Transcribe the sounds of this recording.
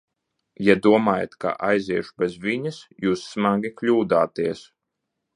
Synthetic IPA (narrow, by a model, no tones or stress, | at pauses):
jad̪uɔmaːjat̪ka̰ʔajziɛʃubɛzvʲiɲɨsjuːsːmaɡʲiklʲuːd̪aːt̪iɛs